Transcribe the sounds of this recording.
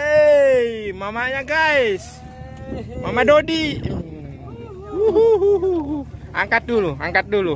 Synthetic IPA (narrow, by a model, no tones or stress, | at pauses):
e | mamaɲaɡais | mamadodi | uɦuɦuɦuɦuaŋkat̪̚duluaŋkat̪̚dulu